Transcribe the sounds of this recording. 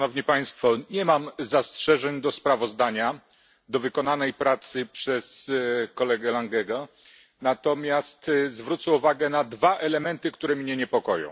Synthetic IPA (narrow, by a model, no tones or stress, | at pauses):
nɔvɲipaj̃st̪fɔɲɛmamzastʂɛʐɛɲd̪ɔspɾavɔzd̪aɲa | d̪ɔvɘkɔnanɛjpɾat̪sɘpʂɛskɔlɛɡɛlaŋɡɛɡɔ | nat̪ɔmʲjast̪zvɾut̪sɛuvaɡɛnad̪vaʔɛlɛmɛnt̪ɘkt̪uɾɛmɲɛɲɛpɔkɔjɔ̰̃w